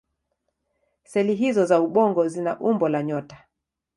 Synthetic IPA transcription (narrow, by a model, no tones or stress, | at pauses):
sɛliɦizɔzauɓɔŋɡɔzinaʔumbɔlaɲɔtḁ